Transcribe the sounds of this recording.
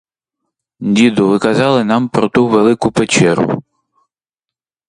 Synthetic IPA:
d̪ʲid̪ʊʋɪkɐzɑlˠɪnɑmpɾɔt̪uʋelˠɪkʊpet͡ʃɛɾʊ̰

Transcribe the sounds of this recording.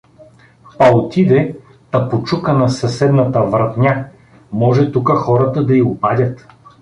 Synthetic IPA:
pɐot̪id̪ɛ | t̪ɐpot͡ʃukənɐsɐsɛd̪nɐt̪ɐvɾɐt̪nʲa | mɔʒɛt̪ukəxɔɾɐt̪ɐd̪ɐiʊpad̪ʲɐt̪

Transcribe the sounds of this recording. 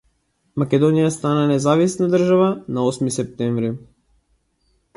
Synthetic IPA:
makʲɛd̪ɔnijast̪ananɛzavisnad̪ər̩ʒavanaɔsmisɛp̚t̪ɛɱvɾi

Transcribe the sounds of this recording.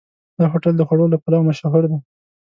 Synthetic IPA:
d̪ɑxoʈəld̪əxwaɽolapalɑwmaʃɑɦʊɾd̪a

